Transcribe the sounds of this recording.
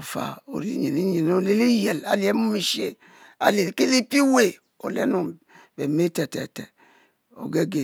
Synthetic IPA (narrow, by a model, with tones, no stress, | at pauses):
o˨fa̰˨o̰˨ɾḭ˨˦ɲi˨ni˦ɲi˨no˦le˦li˦je˨la̰˨li˨e˨˦mu˦mi˨ʃe˦ | a̰˨le˨lke˦li˦pi˦we˨ | o̰˨lḛ˦no˨ | be˨me˦te˨tḛ˨tḛ˨ | o̰˨ɡe˦ɡe˨